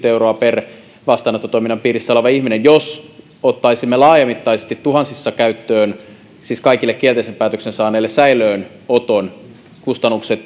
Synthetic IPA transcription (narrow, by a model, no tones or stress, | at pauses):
t̪euroɑper | ʋɑst̪ɑːˑnɑt̪ːot̪ojminːɑmpiːrissɑlɑʋɑihminenjos | ot̪ːɑisimːelɑːjɑmit̪ːɑisest̪it̪tuɦɑnsisːɑkæyt̪ːøːn | siːskɑikilːekkːielt̪eisempæːt̪øksensɑːnˑeːlːesæiløːn | ot̪on | kust̪ɑnːukset̪